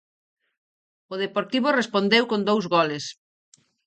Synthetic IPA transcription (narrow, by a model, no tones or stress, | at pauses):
ʊðepoɾt̪iβʊrespond̪ewkõnd̪owzɣɔlɪs